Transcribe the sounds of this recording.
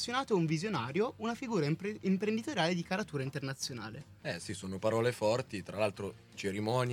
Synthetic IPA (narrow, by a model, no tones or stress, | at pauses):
sjonaːt̪ouɱvizjonaːɾjounafiɡuːɾaimpɾend̪it̪oɾjaːled̪ikaɾat̪uːɾaint̪ernat̪sːjona̰ːle | ɛsisoːnopaɾɔːlefɔrt̪it̪ɾalalt̪ɾo | t͡ʃeɾimɔn